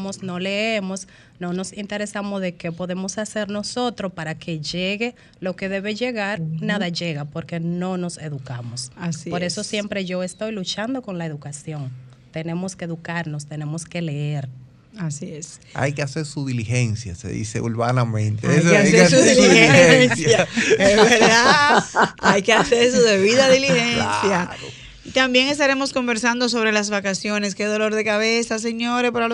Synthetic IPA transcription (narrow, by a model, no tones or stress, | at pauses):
mosno̞le̞emo̞s | no̞no̞sint̪e̞ɾe̞samozðe̞ke̞po̞ðe̞mo̞sase̞ɾno̞so̞t̪ɾo̞paɾake̞ʝeɣe̞ | lo̞ke̞ðe̞βe̞ʝe̞ɣaɾnaðaʝe̞ɣapo̞ɾke̞no̞no̞se̞ðukamo̞saspo̞ɾe̞so̞sje̞mpɾe̞ʝo̞e̞st̪o̞jlut͡ʃand̪o̞ko̞nlae̞ðukasjo̞ŋ | t̪e̞ne̞mo̞ske̞eðukaɾno̞st̪e̞ne̞mo̞ske̞le̞eɾ | asie̞sa̰jkease̞ɾsuðilihe̞nsja̰sḛðḭse̞̰ulβanamẽnt̪eajseaseɾsuðiliheensjjaesβeɾðða | ajkeaseɾsuðe̞βiðaðilihensjao | it̪ambje̞ŋe̞st̪aɾe̞mo̞sko̞mbe̞ɾsand̪o̞s̬o̞βɾe̞lasβakasjo̞ne̞ske̞ðo̞lo̞ɾðe̞kaβe̞sas̬e̞ɲo̞ɾepaɾal